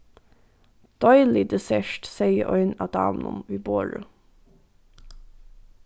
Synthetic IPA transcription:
d̪̥ɔʏlɪd̪ɛsɛʃʈsɛɪəʔɔʏnɑːd̪ɑ̰ːʋnʊ̰mʋiːboːɹʉ

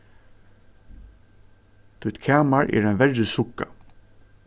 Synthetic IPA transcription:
t̪ʰʊjt̪kʰaːmaɹɛ̰ːɾajnvɛɹːɪsʊkːa

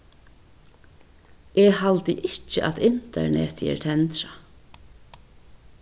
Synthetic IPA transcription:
ʔɛhalt̪ɪʔɪt͡ʃəʔat̪ɪnt̪ɛ̰ɹɳɛ̰ːt̪jɛ̰ɹt̪ʰɛnt̪ɾa

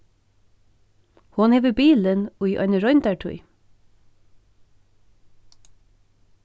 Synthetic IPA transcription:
hʊnheːʋəbiːlənuiʔœ̰ʏnəɾɔʏnt̪ɑʈʰʉ̰ʏ

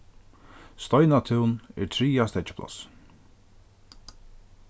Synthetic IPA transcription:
st̪ɔjnat̪ʰɪwnɛ̰ɾt̪ʰɾiːast̪ɛt͡ʃɪ̥pʰla̰s

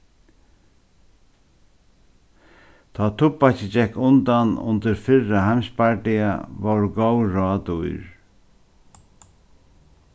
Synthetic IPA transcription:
t̪ʰɔːt̪ʰʊpːat͡ʃɪd͡ʒɛhkːʊnt̪anʊ̰nt̪əɾfɪɹahamspaɹʈɪa̰voɹɡowɾɑːt̪ujɾ

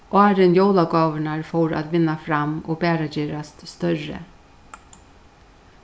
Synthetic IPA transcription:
ʔɑːɾənjowlaɡɑːʋəɳaɹfoɹa̰t̪ʋɪnːafɾamo̰ːbæːɾad͡ʒeːɾast̪st̪œɾə̰

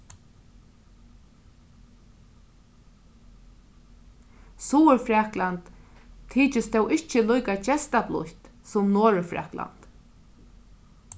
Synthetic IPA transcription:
suːəɹfɾaklant̪ʰː | iːt͡ʃɪst̪ɛwɪht͡ʃəlujkat͡ʃɛst̪aplʊ̰ht̪ | sʊmnoːɾʏfɾɛ̰ːkla̰nt̪

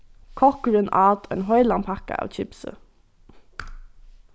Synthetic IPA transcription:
kʰɔkɾʉnʔɑːt̪ḛːnhɔʏlɑmpʰɑkə̰ʔɑ̰ːʋc͡çɪpsə̰

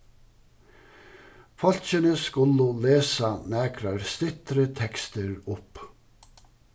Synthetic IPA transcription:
fɔlçənəskʉləleːsɑnæːkʰɾɑɾst̪ɪt̪ɾət̪ʰɛkst̪əɾʊp

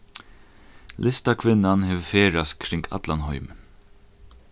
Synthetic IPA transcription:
lʔɪst̪akʰvɪnːanɦɛvfeːɹast̪kʰɾɪŋkʰa̰t̪lanhɔʏmn

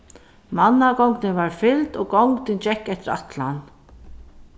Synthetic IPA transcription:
manːaɡɔŋknɪnvaɹfɪlt̪ɔɡɔwŋkt̪ɪnt͡ʃɛkːɛht̪ɪɾa̰t̪lan

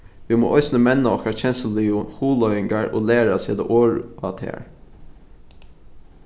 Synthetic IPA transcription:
ʋimo̰ːʔɔʏsnəmɛnːaɔhkaɹçʰɛnsəliʊhuːlɔʏɪŋɡaɹo̰ːleːɹasiːd̪ə̰ʔoːɹa̰t̪ʰɛ̰ːɹ

